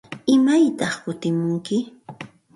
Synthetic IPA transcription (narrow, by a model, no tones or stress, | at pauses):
ɪmajt̪ɑχkʊt̪ɪmʊŋkɪ